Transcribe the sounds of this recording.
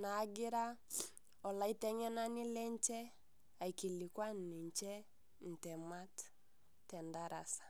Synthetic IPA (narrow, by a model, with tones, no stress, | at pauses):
naː˨˦ɡɪ˦ɾa˦ | ɔ˨la˨˦i˦tɛ˦ɲɛ˦na˦nɪ˦lɛ˦ɲt͡ʃɛ˦ | a˨i˨ki˨li˨kwa˦nni˨ɲt͡ʃɛ˦ | n̩˨tɛ˨ma˦t | tɛ˨nda˦ɾa˨sḁ˨